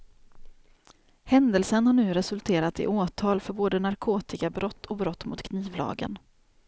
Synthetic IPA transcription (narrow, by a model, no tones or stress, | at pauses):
hɛnd̪əlsənhaɳʉ̟ːɾɛsɵlt̪ʰeːɾat̪ɪ̰ʔoːt̪ʰɑːlfœɾboːd̪ənaɾkʰoːt̪ɪkabɾɔt̪ʰːɔbɾɔt̪ːmʊ̰t̪kʰniːvlɑ̰ːɡə̰n